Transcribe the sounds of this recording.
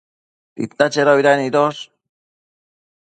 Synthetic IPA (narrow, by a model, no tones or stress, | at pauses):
t̪ḭt̪ːat͡ʃeɾoiɾanid̪os